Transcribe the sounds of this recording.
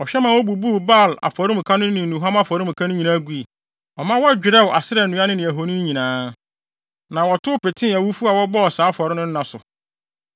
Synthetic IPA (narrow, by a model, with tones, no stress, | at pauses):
ɔ˨ɕᶣɛ˦mã˨wɔ˦bu˨bu˦˨ba˦˨la̰˨fɔ˨ɾi˦mʊ̃˨kʰa˦nʊ̃˦nɪ̃˨nũ˨ɦã˦ma˦fɔ˨ɾi˦m̩ʊ̃˨kʰa˦nʊ̃˦ɲĩ˨nã˦ɡu˦i˨ | ɔ˨mã˦wɔ˦a˦d͡ʑᶣɪ˨ɾɛ˦wʔa˨sɪ˦ɾɛ˨nũ˨˦a˦nɪ̃˦nɪ̃˨æ˨ɦo˨nĩ˦ɲĩ˨nãː˦ | nã˨wɔ˨tʰʊ˦pɪ˨tʰɪ̃˦a˨wu˦fu˦a˨wɔ˦bɔ˦ɔ˨saː˨˦fɔ˨ɾɪ˦nʊ̃˦n̩˦nã˨sʊ̰˨